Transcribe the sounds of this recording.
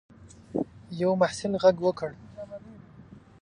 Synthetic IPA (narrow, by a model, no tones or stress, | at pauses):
jawmaħsɪlɣaɡwəkəɽ